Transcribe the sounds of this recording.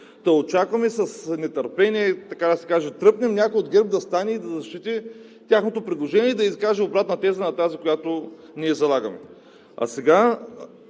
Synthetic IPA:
d̪ɐot͡ʃakvɐmɛsɐsnɛt̪ɐɾpɛniɛt̪ɐkad̪ɐsɛ̥kaʒɛt̪ɾɤpnʲɛmnʲakojod̪ɡɛɾb̚d̪ɐst̪anʲɛid̪ɐzɐʃt͡ʃit̪ʲi | t̪ʲjaxnot̪opɾid̪lˠoʒɛnʲiɛd̪ɐiskaʒɛobɾat̪nɐt̪ɛzənɐt̪azikojat̪o | niɛzɐlˠaɡɐmɛ̰ | ɐ̰sɛɡa

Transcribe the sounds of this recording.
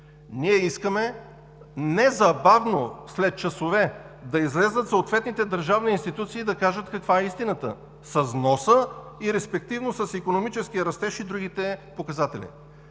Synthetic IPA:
niɛiskəmɛ | nɛzɐbavnoslɛt̪̚t͡ʃɐsovɛ | d̪ɐizlɛzət̪soːt̪vɛt̪nit̪ɛd̪ɐɾʒavniinst̪it̪ut̪siːd̪ɐkaʒət̪kɐkvaɛist̪inət̪ə̰ | sɐznɔsə | iɾɛspɛk̚t̪ivnosəsikonomit͡ʃɛskijəɾɐst̪ɛʃid̪ɾuɡit̪ɛpokɐzat̪ɛlḭ

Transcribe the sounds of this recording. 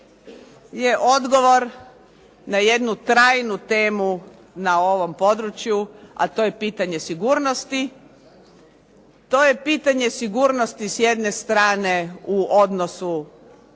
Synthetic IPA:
je̞ʔo̞d̪ɡo̞ʋo̞ɾ | naje̞d̪nut̪ɾaːjnut̪e̞ːmu | nao̞ʋo̞mpo̞d̪ɾut͡ɕjua̰t̪o̞je̞piːt̪aɲe̞siɡuːɾno̞st̪i | t̪o̞ːje̞piːt̪aɲe̞siɡuːɾnost̪isje̞d̪ne̞st̪ɾaːne̞uʔod̪no̞su

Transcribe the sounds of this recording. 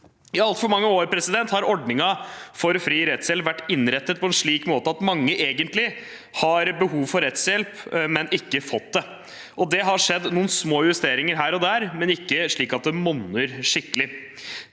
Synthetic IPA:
ɪɑlt̪fɔɾmɑŋːəoːɾpʰɾɛsɪd̪ɛnt̪hɑɾɔɖnɪŋɑfɔɾfɾiːɾɛt̪sjɛlpʋæʈːɪnɾɛt̪ːət̪̚pʰɔɛnʂɭiːkmoːt̪əɑt̪mɑŋːəʔeːɡənt̪lɪ | hɑɾbəhuːʋfɔɾːɛt̪sjɛlpmɛnɪkːəfɔt̪̚d̪ɛ | ʔɔd̪ɛɦɑʂɛd̪nuːnsmoːjʉst̪eːɾɪŋəɾɦæːɾɔd̪æːɾmɛnɪkːəʂɭiːkɑt̪̚d̪ɛmɔnːəɾʂɪkːəlɪ

